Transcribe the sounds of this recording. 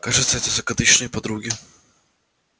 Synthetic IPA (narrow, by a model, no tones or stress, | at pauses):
kaʐɨt̪səɛt̪əzɐkɐd̪ɨɕnəjpɐd̪ɾuɡʲɪ